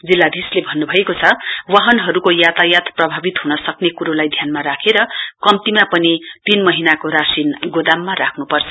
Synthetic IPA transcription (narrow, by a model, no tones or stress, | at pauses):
d͡zilːad̪ʱislebʱʌnːubʱʌekot͡sʰʌwaɦʌnɦʌɾukojat̪ajat̪prʌbʱabit̪ɦunʌsʌknekuɾolajd̪ʱjanmaɾakʰeɾʌkʌmt̪imapʌnit̪inmʌɦinakoɾasinɡod̪amːaɾakʰnupʌrt͡sʰʌ̥